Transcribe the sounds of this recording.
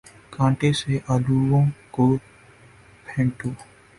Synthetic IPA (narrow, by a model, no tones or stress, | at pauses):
kãːɳʈeseʔaluwõko | pʰẽːɳʈoː